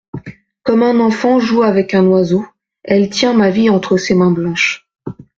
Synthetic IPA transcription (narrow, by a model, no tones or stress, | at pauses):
kɔmɛ̃nɑ̃fɑ̃ʒuavɛkɛ̃nwazo | ɛlt̪jɛ̃maviɑ̃t̪χəsemɛ̃blɑ̃ʃ